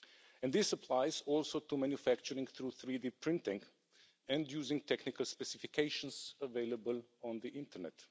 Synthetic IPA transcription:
ɛ̃nd̪ðɪsəpʰlaɪzɔlˠsoʊtumæ̃njufæk̚t͡ʃəɾɪ̃ŋθɾuθɹidipʰɹɪ̃ntɪ̃ŋ | ɨ̃ndjuzɪ̃ŋtʰɛknɪkəlˠspɛsɪfɪkʰeɪʃə̃nzəveɪləbəlˠɔ̃nðiʔɪ̃ntəɹnɛ̰t

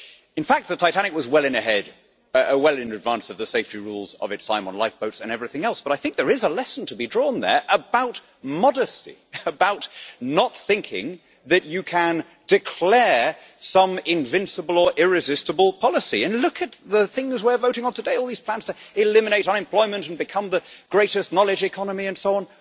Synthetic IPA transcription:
ɨ̃nfæk̚t̪̚ðɨtʰaɪtʰæñɨkwʌzwɛlˠɨ̃nɨɦɛɾ | əwɛlˠɨ̃nɨdvæ̃nsʌvðɨseɪftiɹulˠzʌ̰vɨtsã̰ɪ̃mə̃nlaɪfb̥oʊtsɨ̃nɛvɹiθɪ̃ŋɛlˠsb̥ʌɾaɪθɪ̃ŋk̚ðə˞ɪzəlɛsn̩tʰəbidɹɔ̃nðə̰˞ʔəbaʊt̚ | mɑɾɨstḭəbaʊtnət̪̚θɪ̃ŋkʰɪ̰̃ŋ | ðɨt͡ʃɨkʰɨ̃n | d̥ɨkʰl̥ɛɹ | sʌ̃mɪ̃ɱvɪ̃nsəbəl̩ˠə˞ʔɪɹɨzɪstəbəl̩ˠpʰɑlˠəsiɨ̃nlʊkʰɨt̪̚ðəθɪ̃ŋzwəvoʊɾɪ̃ŋə̃ntʰɨdeɪɔlˠðiz̥pl̥æ̃nz̥tʰɨɨlɪmɨneɪɾʌ̃nɨ̃mpʰl̥ɔɪmɨ̃ntɨ̃n̩bɨkʰʌ̃mðɨɡ̥ɹeɪɾɨstⁿnɑlˠɨd͡ʒɨkʰɑnəmiɨ̃nsoʊɑ̃n

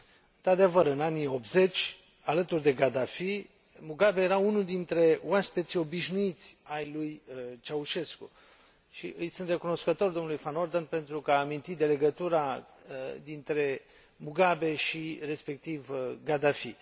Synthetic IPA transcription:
ɨnt̪ɾat̪d̪evəɾɨnaniop̚t̪ze̞t͡ʃʲ | alət̪urd̪e̞ɡad̪afi | muɡabejeɾaunuld̪int̪ɾe̞waspet̪sio̞biʃnuit̪sʲajlujt͡ʃauʃe̞sku | ʃḭʔɨjsɨnt̪re̞kuno̞skət̪o̞rd̪o̞mnulujfano̞rd̪onpe̞nt̪ɾukəaːmint̪it̪d̪e̞le̞ɡət̪uɾa | d̪int̪ɾe̞ | muɡabe̞ʃire̞spe̞k̚t̪ivɡad̪afi

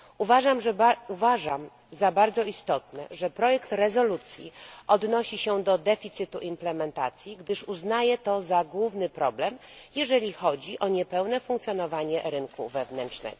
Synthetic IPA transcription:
uvaʐamʐɛuvaʐam | zabaɾd̪zɔist̪ɔt̪nɛ̰ʐɛpɾɔjɛkt̪ɾɛzɔlut̪sʲjḭʔɔd̪nɔɕiɕɛd̪ɔd̪ɛfʲit̪sɘt̪uʔimplɛmɛnt̪a̰t̪sʲjiɡd̪ɘʂuznajɛt̪ɔzaɡwuvnɘpɾɔblɛmjɛʐɛlʲixɔd͡ʑiʔɔɲɛpɛwnɛfuŋkt̪sʲjɔnɔvaɲɛɾɘnkṵvɛvnɛnt͡ʂnɛ̰ɡ̥ɔ

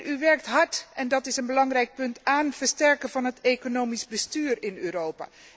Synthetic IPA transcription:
yʋɛɹk̚tɦɑɹtɛndɑtɪsənbəlɑŋrɛjk̚pɵntaːnv̥əɹstɛɹkənvɑnɦətekonowmizbəstyːrɪnøːrowpa̰ː

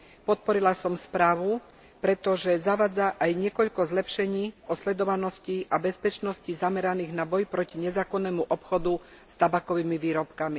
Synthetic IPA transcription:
pɔt̪̚pɔɾilasɔmspɾaːʋu | pɾɛt̪ɔʒɛzaʋaːd͡zaʔajɲɪɛkɔʎkɔzlɛpʃɛɲiːɔslɛd̪ɔʋanɔsciʔabɛspɛt͡ʃnɔscizamɛɾaniːɣnabɔjpɾɔciɲɛzaːkɔnːɛːmuʔɔpxɔd̪u | st̪abakɔʋiːmiʋiːɾɔpkami

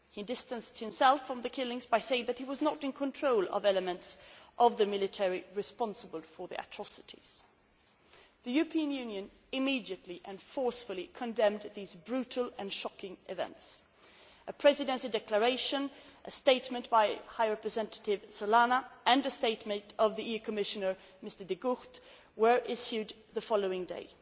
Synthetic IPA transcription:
hidɪstɨ̃nst̚hɨ̃msɛlˠfɹʌ̃mðɨkʰɪlˠɪ̃ŋzbaɪseɪɪ̃ŋðɨt̚hiwʌznəɾɨ̃nkʰə̃ntʰɹ̥oʊlˠʌ̰vɛləmɨ̃ntsʔʌvðɨmɪlˠɨtʰɛɹiɹɨspɑ̃nsəbəl̩ˠfə˞ðḭʔɨ̰tʰɹ̥ɑsɨɾʰḭz̥ | ðɨjʉɹəpʰĩɨ̃njʉ̃njɨ̃n | ɨmidiɨtˡliʔɨ̃nfɔɹsfəlˠikʰɨ̃ndɛ̃mðizbɹʉɾl̩ˠɨ̃nʃɑkɪ̃ŋʔɪvɛ̰̃nts | ʔɨpʰɹ̥ɛzɨdɛ̃nʃidɛklə˞eɪʃɨ̃nʔɨsteɪtmɨ̃nʔb̥aɪhaɪɹɛpɹɨzɛ̃ntə̥ɾɪv̥səlænəʔɨ̃nɨsteɪtmɨ̃ntʌvðiiʉkʰəmɪʃɨnə˞ | mɪstə˞dɨɡʊxt | wə˞ʔɪʃjʉd̪ | ðəfɑlˠoʊɪ̃ŋdḛɪ

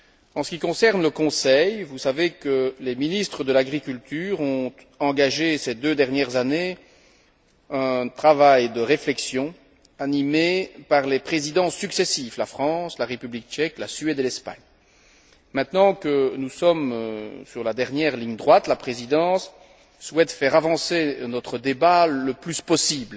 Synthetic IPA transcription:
ɑ̃sə̥kʲikɔ̃sɛʁnləkɔ̃sɛjvusavekəleminist̪χəd̪əlaɡʁikʲylt̪yːʁɔ̃t̪ | ɑ̃ɡaʒesed̪ød̪ɛʁnjɛʁzane | ɛ̃t̪χavajd̪əʁeflɛksjɔ̃ | animepaʁlepχezid̪ɑ̃sːyksɛsivlafχɑ̃slaʁepyblik̚t͡ʃɛklasɥɛd̪elɛspa̰ɲ | mɛ̃t̪nɑ̃kənusɔmsyʁlad̪ɛʁnjɛʁliɲd̪ʁwat̪lapχezid̪ɑ̃sː | wɛt̪fɛʁavɑ̃senɔt̪χəd̪ebaləplyspɔsibl

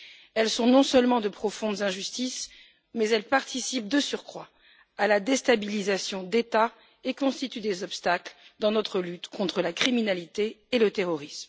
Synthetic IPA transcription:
ɛlsɔ̃nɔ̃sœlmɑ̃d̪əpχɔfɔ̃d̪zɛ̃ʒyst̪is | mɛzɛlpaʁt̪ʰisip̚d̪əsyʁkχwaː | lad̪est̪abilizasjɔ̃d̪et̪a | ekɔ̃st̪it̪yd̪ezɔpst̪akld̪ɑ̃nɔt̪χəlyt̪kɔ̃t̪χəlakχiminalit̪eːlət̪eʁɔʁism

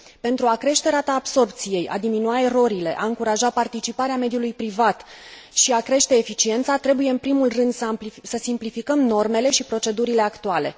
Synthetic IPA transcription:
pe̞nt̪ɾuakɾe̞ʃt̪e̞ɾat̪aːbso̞rp̚t̪sije̞ja̰d̪iminuae̞ɾo̞ɾile̞̰ʔaɨŋkuɾaʒapart̪it͡ʃipaɾeame̞d̪julujpɾivat̪ | ʃiakɾe̞ʃt̪e̞ːfit͡ʃie̞nt̪sat̪ɾe̞bujeɨnpɾimulrɨnd̪ssəsimplifikəmno̞rme̞le̞ʃipɾo̞t͡ʃe̞d̪uɾile̞akt̪uale̞̰

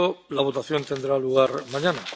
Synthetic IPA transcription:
olaβ̞o̞t̪aθjo̞nt̪e̞nd̪ɾaluɣ̞aɾmaɲana

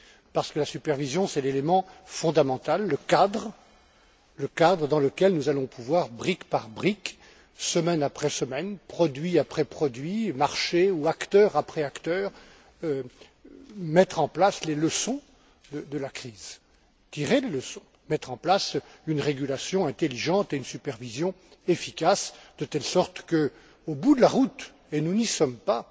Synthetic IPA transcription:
paʁsə̥kəlasypɛʁvizjɔ̃sɛlelemɑ̃fɔ̃d̪amɑ̃t̪alːəkad̪ʁə | ləkad̪ʁəd̪ɑ̃ləkʲɛlnuzalɔ̃pʰuvwaʁbʁikpaʁbʁik | səmɛnapχɛsəmɛnpχɔd̪ɥiapχɛpχɔd̪ɥimaʁʃeuakt̪œʁapχɛakt̪œːʁ | ø | mɛt̪χɑ̃plasleləsɔ̃ | d̪əd̪əlakχiːz | t̪iʁeleləsɔ̃ | mɛt̪χɑ̃plasynʁeɡʲylasjɔ̃ɛ̃t̪eliʒɑ̃t̪eynsypɛʁvizjɔ̃efikasd̪ət̪ɛlsɔʁt̪kə | obud̪əlaʁut̪ | enunisɔmpa

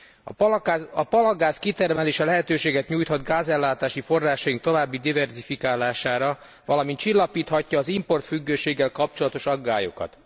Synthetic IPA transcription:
ɒpɒlɒɡaːskit̪ɛrmɛleːʃɛlɛɦɛt̪øːʃeːɡɛt̪ɲuːjt̪hɒd̪ɡaːzɛlːaːt̪aːʃifo̞rːaːʃɒjiŋk̚t̪o̞vaːbːid̪ivɛrzifikaːlaːʃaːɾɒ | vɒlɒmint̪t͡ʃilːɒpiːt̪hɒcːɒːzimpo̞rt̪fyɡːøːʃeːɡːɛlkɒp̚t͡ʃo̞lɒt̪o̞ʃɒɡːaːjo̞̰kɒ̰t̪

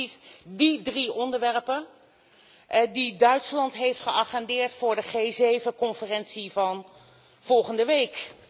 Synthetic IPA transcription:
isdidriʔɔndəɹʋɛɹpən | didœɥtslɑntɦejftχəʔɑχɛndɪːɹtfʊːɹdəχejzejvəkɔnfərɛnsivɑn | v̥ɔlˠχəndəʋejk

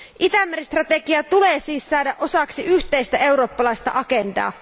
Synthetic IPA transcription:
ʔit̪æmːerist̪rɑt̪ekiɑt̪uleːsiːsːɑːdæʔʔo̞sɑksiʔyht̪ejst̪æe̞wɾo̞ːpːɑlɑist̪ɑ̰ʔɑkendɑ̰ː

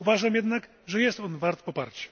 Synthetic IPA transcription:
uvaʐamjɛd̪nak | ʐɛjɛst̪ɔnvaɾt̪pɔpa̰ɾt͡ɕɛ̥

